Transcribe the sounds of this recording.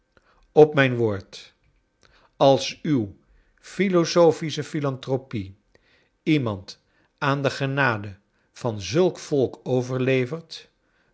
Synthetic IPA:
ɔpmɛjnʋoːɹt | ɑlˠsyw | filosofisəfilɑntropi | imɑnt | aːndəχənaːdə | v̥ɑnzɵlˠkfɔlˠkowvəɹlejvəɹt

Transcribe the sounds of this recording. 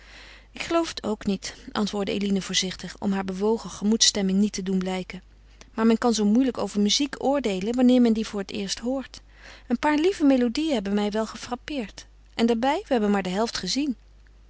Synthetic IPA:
ɪkχəlowfə̥tʰo̰wknitʔɑ̰ntʋʊːɹdəḛjlinəvʊːɹzɪχtəχɔ̰mɦaːɹbəʋowχəχəmutstɛmɪŋnitədunblɛjkən | maːɹmɛnkɑnzowmujləko̰wvəɹmyzikʊːɹdejlənʋɑnɪːɹmɛndivʊːɹətɪ̰ːɹstɦʊːɹt | ənpaːɹlivəmejlodijənɦɛbənmɛjʋɛlˠχəfrɑpɪːɹt | ʔɛndaːɹbɛjʋəɦɛbənmaːɹdəɦɛlˠftχəzin

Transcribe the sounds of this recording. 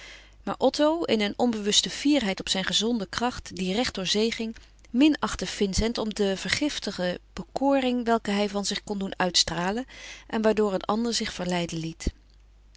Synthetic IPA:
ma̰ːɹʔɔtowɪnənɔmbəʋɵstəv̥iːɹɦɛjtɔpsɛjnχəzɔndəkrɑχtdirɛχt̚d̥ʊːɹzejχɪŋ | mɪnɑχtəv̥ɪnsɛntɔmdəvəɹχɪftəχəb̥əkʊːrɪŋʋɛlˠkəɦɛjvɑnzɪχkɔndunœɥtstraːlənʔɛnʋaːɹdʊːɹənɑ̰ndəɹzɪχfəɹlɛjdənlit

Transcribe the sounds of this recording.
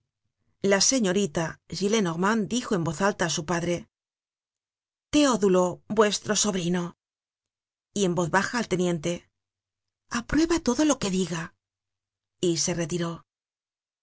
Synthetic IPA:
lase̞ɲo̞ɾit̪aʒile̞noɣmand̪ixo̞e̞mbo̞θalt̪aːsupaðɾe̞ | t̪e̞oðulo̞bwe̞st̪ɾo̞so̞βɾino̞ | ie̞mbo̞θβaxaːlt̪e̞nje̞nt̪e̞ | apɾwe̞βat̪o̞ðo̞lo̞ke̞ðiɣa | ise̞re̞t̪iɾo̞

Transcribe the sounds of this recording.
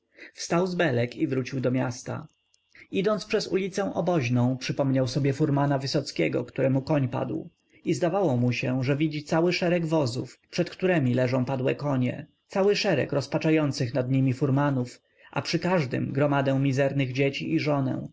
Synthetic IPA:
fst̪awzbɛlɛkivɾut͡ɕiwd̪ɔmʲjast̪a̰ | id̪ɔntspʂɛzulʲit̪sɛ̃w̃ʔɔbɔʑnɔ̃w̃pʂɘpɔmɲawsɔbʲjɛfuɾmanavɘsɔt̪skʲɛɡɔ̰kt̪uɾɛmukɔɲpa̰d̪w | izd̪avawɔmuɕɛʐɛvʲid͡ʑit̪sawɘʂɛɾɛɡvɔzṵfpʂɛt̪kt̪uɾɛmʲilɛʐɔ̃w̃pad̪wɛkɔɲɛ̰t̪sawɘʂɛɾɛ̰kɾɔspat͡ʂajɔnt̪sɘxnad̪ɲimʲifuɾmanuf | ʔa̰pʂɘkaʐd̪ɘ̰mɡɾɔmad̪ɛw̃mʲizɛɾnɘɣd͡ʑet͡ɕiʔːʐɔnɛ̰̃

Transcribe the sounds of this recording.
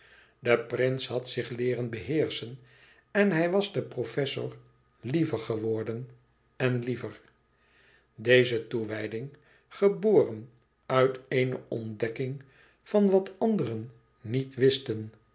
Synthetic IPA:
dəprɪnshɦɑtsɪχlɪːɾənbəɦɪːɹsən | ɛnɦɛjʋɑzdəprofɛsʊ̰ɹ | livəɹχəʋɔɹdən | ɛnlivər | dejzətuʋɛjdɪŋ | χəboːrən | œɥtejnə̰ʔɔ̰ndɛkɪŋ | fɑnʋɑtɑndərənː | itʋɪstən

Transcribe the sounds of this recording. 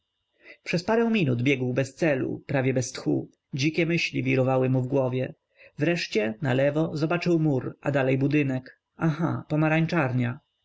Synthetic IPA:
pʂɛspaɾɛ̃w̃mʲinud̪bʲjɛɡwbɛst̪sɛlṵpɾavʲjɛbɛst̪xṵ | d͡ʑikʲɛmɘɕlʲivʲiɾɔvawɘmuvɡwɔvʲjɛ | vɾɛʂt͡ɕɛnalɛvɔzɔbat͡ʂɘwmuɾʔa̰d̪alɛjbud̪ɘnɛk | ʔaxapɔmaɾaɲt͡ʂaɾɲa

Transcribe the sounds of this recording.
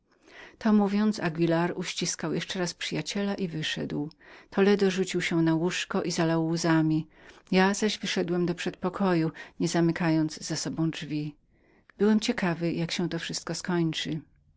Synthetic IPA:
t̪ʰɔmuvʲjɔnt̪saɡʲvʲilaɾuɕt͡ɕiskawjɛʂt͡ʂɛɾaspʂɘjat͡ɕɛlaʔivɘʂɛ̰d̪wt̪ʰɔlɛd̪ɔʐut͡ɕiwɕɛnawuʂkɔʔizalawːuzamʲijazaʑvɘʂɛd̪wɛmd̪ɔpʂɛt̪̚pɔkʰɔjuɲɛzamɘkajɔnd̪zzasɔbɔ̃w̃d͡ʐvʲi | bɘwɛmt͡ɕɛkavɘjakɕɛ̃w̃t̪ɔfʂɘst̪̚kɔskɔɲt͡ʂɘ

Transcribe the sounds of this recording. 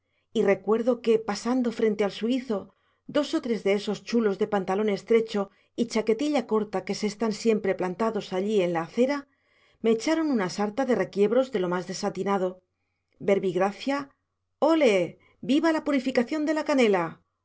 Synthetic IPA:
ire̞kwe̞ɾðo̞ke̞pasand̪o̞fɾe̞nt̪e̞alsuiθo̞ | d̪o̞so̞t̪ɾe̞zðe̞eso̞st͡ʃulo̞zðe̞pant̪alo̞ne̞st̪ɾe̞t͡ʃo̞ | it͡ʃake̞t̪iʎako̞ɾt̪ake̞seːst̪ansje̞mpɾe̞plant̪aðo̞saʎie̞nlaːθe̞ɾa | me̞ːt͡ʃaɾo̞nunasaɾt̪aðe̞re̞kje̞βɾo̞zðe̞lo̞mazðe̞sat̪inað̞o̞ | be̞ɾβiɣɾaθja | o̞le̞ | biβalapuɾifikaθjo̞nd̪e̞lakane̞la

